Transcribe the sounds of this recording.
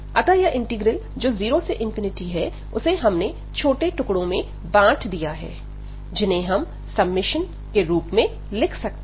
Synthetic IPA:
ɐt̪ajaʔɪ̃ɳʈɪɡɾəld͡ʒoːziːɾoseʔɪ̃nfɪnɪʈiɦɛ | ʊseɦɐmne | t͡ʃʰoːʈeʈʊkɽõmẽ | bãːʈʰd̪ijaɦɛ̰ː | d͡ʒɪnẽɦɐm | sɐbmɪʃən | keɾuːpmẽ | lɪkʰsɐk̚t̪ː

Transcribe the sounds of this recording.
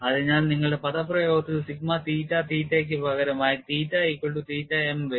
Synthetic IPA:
ɐðɨɲaːlniŋːɐɭɨɽe̞pɐðɐprɐjoːɡɐt̪ːɨɨsikmat̪iːtːat̪iːtːek̬ʲːɨpɐɣɐɾɐmaːjit̪iːtːaikːoɳɖut̪iːtːaemʋe

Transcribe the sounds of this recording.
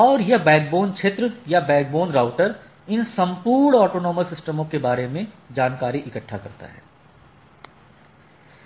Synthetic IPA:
ɔːɾjebɛːk̚boːnt͡ʃʰet̪ɾjabɛːk̚boːnɾaːʊʈəɾ | ɪnsɐ̃mpuːɾɳɔːʈoːnoːməsɪsʈəmõkebaːɾemẽ | d͡ʒaːnkaːɾiʔɪkəʈʰːakɐɾt̪a̰ɦɛ̰ː

